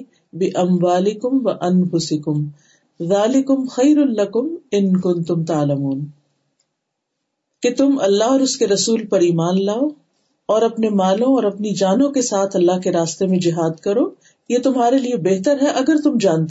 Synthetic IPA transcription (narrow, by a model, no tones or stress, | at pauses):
bɪʔɐmwaːlɪkʊmʋɐʔɐnfʊsɪkʊm | ðaːlɪkʊmxɐjɾʊnlɐkʊmɪnkʊ̃nt̪ʊmt̪aːlɐmuːn | ket̪ʊmɐlːaɦɔːɾʊskeɾɐsuːlpɐɾiːmaːnlaːoː | ɔːɾɐpnemaːlõɔːɾɐpnid͡ʒaːnõkesaːt̪ʰɐlːaɦkeɾaːst̪emẽd͡ʒɪɦaːd̪kɐɾoː | jet̪ʊmɦaːɾeliebeɦt̪əɾɦɛʔɐɡəɾt̪ʊmd͡ʒãːnt̪e